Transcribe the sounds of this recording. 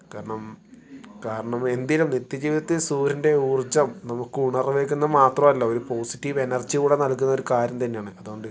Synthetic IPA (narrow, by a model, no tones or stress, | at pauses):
kaːɾɐɳɐm | kaːɾɐɳɐme̞nd̪ilumnit̪ːjɐd͡ʑiːʋiðɐt̪ːisuːɾinde̞uːrd͡ʑɐmnɐmukːɨuɳɐrɨʋe̞ːkʲːunːɐmaːt̪rɐmɐlːooɾupo̞ːsi̥tːiʋe̞nɐrd͡ʑikuːɽenɐlkːunːɐo̞ɾukaːɾjɐmt̪ɐnːe̞jaːɳɨɐðuɣo̞ɳɖɨ